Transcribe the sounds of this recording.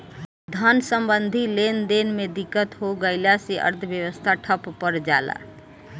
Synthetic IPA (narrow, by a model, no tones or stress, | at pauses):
d̪ʱənsəmbənd̪ʱilend̪enmed̪ikːət̪ɦoɡəɪlasiʔə̰ɾt̪ʰəbjəwəst̪ʰaʈʰəppːəɾd͡ʒala̰